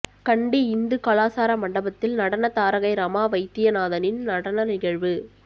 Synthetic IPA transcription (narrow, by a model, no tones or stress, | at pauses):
kɐɳɖiɪnd̪ɯkɐlaːsaːɾɐmɐɳɖɐbɐt̪ːɪlnɐɽɐnɐt̪aːɾɐɣɐɪɾɐmaːʋɐɪt̪ːɪjɐnaːðɐnɪnnɐɽɐnɐnɪɣɐɻʋɯ